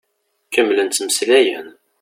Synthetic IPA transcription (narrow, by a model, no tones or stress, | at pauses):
kəmːlənt̪t͡s̪ːməslæjæn